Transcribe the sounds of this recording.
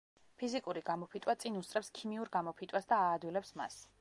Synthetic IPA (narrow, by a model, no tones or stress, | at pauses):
pʰizikʼuɾiɡamɔpʰit̪ʼwat̪sʼinust̪ʼɾɛpskʰimiuɾɡamɔpʰit̪ʼwasd̪aːd̪wilɛpsma̰s